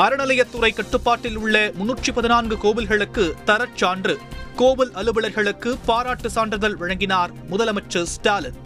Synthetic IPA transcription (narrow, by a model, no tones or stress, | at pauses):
ɐɾɐɳɐlɐjɐt̪ːʊrɐɪkːɐʈːɯpːaːʈːɪlʊɭːɐmʊnːuːʈt͡ʃipɐðɪnaːnɡɯkoːbɪlɣɐɭɯkːɯt̪ɐɾɐt͡ʃːaːndrɯkoːbɪlɐlɯbɐɭɐɾɣɐɭɯkːɯpaːɾaːʈːɯsaːɳdrɐðɐlʋɐɻɐŋɡɪnaːɾ | mʊðɐlɐmɐt͡ʃːɯsʈaːl